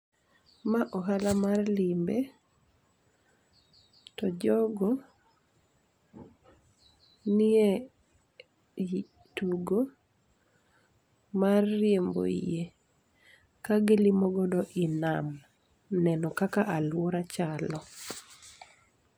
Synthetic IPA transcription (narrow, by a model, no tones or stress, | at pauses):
maʔɔɦalamarlimbe | tɔd͡ʒɔɡɔ | nɪe | tuɡo | marːjembo̰ḭje | kaɡɪlimɔɡɔdɔʔɪnam | nɛnɔkakaʔalwɔɾat͡ʃalɔ